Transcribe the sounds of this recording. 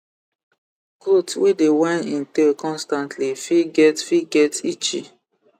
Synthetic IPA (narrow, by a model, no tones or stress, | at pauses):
ɡotwedewɛ̃nĩntekɔ̃nstãntʰlifiɡɛtfiɡɛtit͡ʃḭ